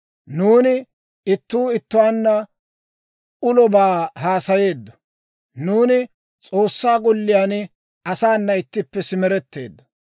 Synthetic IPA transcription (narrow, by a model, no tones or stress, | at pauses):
nuːnɪ | ɪt̪ːuːɪt̪ːʊwaːnːɐ | ʊlɔbaːɦaːsɐje̞ːd̪ːɔ̥ | nuːnɪ | t͡sʼo̞ːsːaːɡɔlːɪjaːn | ɐsaːnːɐɪt̪ːɪpːɛsɪmɛɾɛt̪ːe̞̰ːd̪ːɔ̥